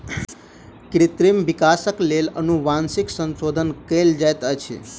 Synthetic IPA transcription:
kɾɪt̪ɾimʋikasəklelənuʋansiksənsod̪ʱənkeld͡ʒajt̪ət͡ʃʰḛ

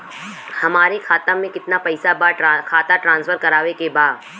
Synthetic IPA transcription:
hɐmaːɾekʰaːt̪ãmẽkɪt̪napɐɪsabakʰaːt̪aʈɾãːnsfʰəɾkɐɾaːʋekebaːd̪

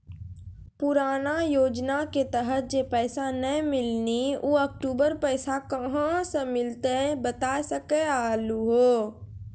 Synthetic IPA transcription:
pʊɾaːnajoːd͡ʒnaket̪əɦət̪̚d͡ʒepɛːsanəmɪlniuːɐk̚ʈuːbəɾpɛːsakɐɦãsemɪlt̪ebət̪aːsəkeaːluɦoː

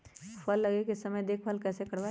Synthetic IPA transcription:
pʰɐlːɐɡekesɐməjd̪eːkʰpʰəlkɛːsekɐɽʋa

